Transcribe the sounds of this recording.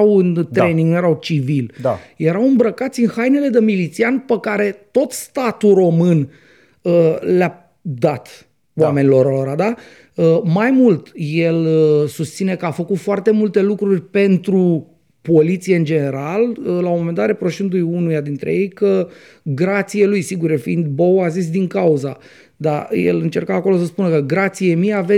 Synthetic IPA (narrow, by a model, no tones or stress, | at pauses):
wɨnt̪ɾe̞niŋɡnujeɾawt͡ʃivild̪aje̞ɾawɨmbɾəkat̪sʲinxajne̞le̞d̪əmilit̪sianpəkaɾe̞t̪o̞t̪st̪at̪ulro̞mɨn | əla | d̪at̪ | oame̞nilo̞ɾoɾad̪a | əmajmult̪je̞ləsust̪sine̞kəafəkut̪foart̪e̞mult̪e̞lukɾurʲpe̞nt̪ɾu | po̞lit̪sijeɨnd͡ʒe̞ne̞ɾaləlaomo̞me̞nd̪at̪ɾepɾo̞ʃind̪ujunujad̪int̪ɾe̞̰je̞jkə | ɡɾat̪sijelujsiɡuɾefḭnd̪bowazis̬d̪iŋkauza | d̪a̰jḛlɨnt͡ʃerkaːko̞lo̞səspunəkəɡɾat̪sijemiave